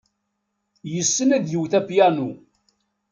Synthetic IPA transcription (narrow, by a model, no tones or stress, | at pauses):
jəsːənæðjəwθæpjænu